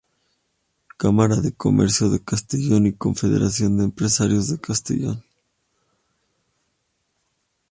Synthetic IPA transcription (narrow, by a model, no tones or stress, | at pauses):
kamaɾaðeko̞̰me̞̰ɾsjoðe̞kast̪eʝo̞niko̞ɱfeðe̞̰ɾas̬jo̞nd̪eːmpɾesaɾjo̞zðe̞kast̪ḛʝo̞̰n